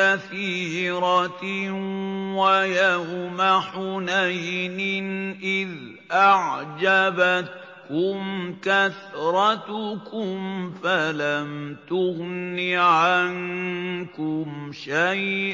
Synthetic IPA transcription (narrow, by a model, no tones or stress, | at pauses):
aθiːɾɑ | wajahʊmaħʊnajnɪnʔɪð | ʔaʕd͡ʒabat̪ | kʊmkaθɾˤɑt̪ʊkʊmfalamt̪ʊɣniʕankʊmʃajʔ